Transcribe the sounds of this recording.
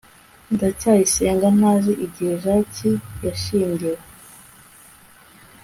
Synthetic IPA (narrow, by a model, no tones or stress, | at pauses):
ndacaːjiseːŋɡan̥haːziʔiɟiheʃaːcijaʃiːɲɡiɾa